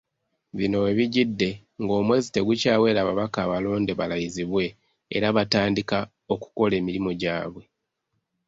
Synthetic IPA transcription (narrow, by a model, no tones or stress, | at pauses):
βino̞eβiɟidːe̞ | ŋɡo̞ːmwe̞ːzite̞ɡucaːwe̞ːɾaːβaβakaːβalo̞ːnde̞βalajiziβwe̞̰ː | ɾaβataːndika | o̞ku̥ko̞le̞ːmiɾimo̞ɟaːβwe̞